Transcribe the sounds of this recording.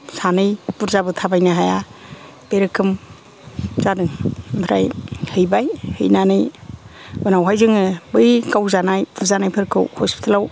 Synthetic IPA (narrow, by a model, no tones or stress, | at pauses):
sanɯjpuɾzabɯtʰabajnaɦaja | b̥eɾɯkʰɯm | zadɯŋbʰɾa̰jhɯjbajhɯ̰jnanɯj | ɔnawɦajzɯŋɯbɯjkawzanajpuɾzanajpʰɯɾkʰɯ̰whɔspʰi̥tʰlaw